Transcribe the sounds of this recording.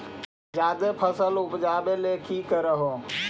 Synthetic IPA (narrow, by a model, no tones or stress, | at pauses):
d͡ʒad̪epʰəsəlupd͡ʒabelekikəɾəɦo